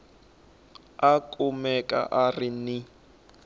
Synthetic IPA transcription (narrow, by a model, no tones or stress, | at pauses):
akʼumɛkʼa̰ʔarini